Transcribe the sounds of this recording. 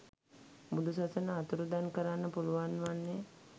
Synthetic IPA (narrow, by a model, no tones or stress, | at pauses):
mud̪us̬asənəat̪uɾud̪ankəɾanːəpuluʋanʋanːe